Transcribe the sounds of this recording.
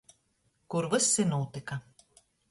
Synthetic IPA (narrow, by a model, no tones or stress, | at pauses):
kuɾvɨsːinuːt̪ikɐ